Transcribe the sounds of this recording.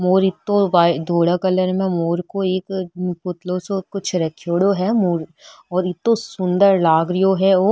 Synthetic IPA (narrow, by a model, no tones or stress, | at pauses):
moːɾɪt̪ːõʋaːd̪ʱoːɽəkɐləɾmẽmoːɾkoeːkpʊt̪losokʊt͡ʃʰɾɐkʰːjoːɽoɦɛmoːɾɔːɾɪt̪ːõsʊ̃nd̪əɾlaːɡɾɪjoɦɛoː